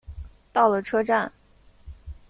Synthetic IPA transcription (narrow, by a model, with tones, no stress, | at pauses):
t̪ɑ˥˩ʊlə˩ʈ͡ʂʰɤ˥ʈ͡ʂa˥˩n